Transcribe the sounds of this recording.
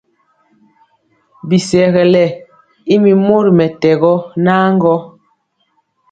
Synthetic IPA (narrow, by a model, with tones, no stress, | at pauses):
bi˨sɛ˨ɣɛ˨lɛ˨ | i˦mi˨mo˦ɾi˨mɛ˨tɛ˨ɣɔ˦naː˦ŋɡɔ˦